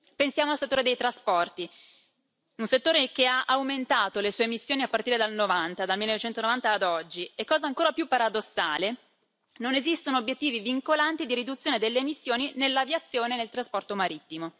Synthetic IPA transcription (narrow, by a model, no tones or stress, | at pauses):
pensjaːmoalset̪ːoːɾed̪ejt̪ɾaspɔrt̪i | unset̪ːoːɾekeaʔawment̪aːt̪olesuːemisːjoːniapːaɾrt̪iːɾed̪alnovant̪ad̪almilːenovet͡ʃɛnt̪onovant̪aːd̪ɔd͡ʒːiekːɔːzaːŋkoːɾapjupːaɾad̪osːaːle | nonezist̪onoːbjet̪ːiːviviŋkolant̪id̪iɾid̪ut̪sːjoːned̪elːeːmisːjoːninelːavjat̪sːjoːnenelt̪ɾaspɔrt̪omaɾit̪ːimo